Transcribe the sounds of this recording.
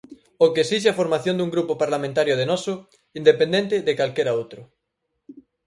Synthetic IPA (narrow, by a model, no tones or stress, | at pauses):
okeesiʃ̬eafoɾmaθjond̪uŋɡɾupopaɾlamẽnt̪aɾjoðenɔsʊ | ind̪epend̪ent̪ɪðekalkeɾaowt̪ɾʊ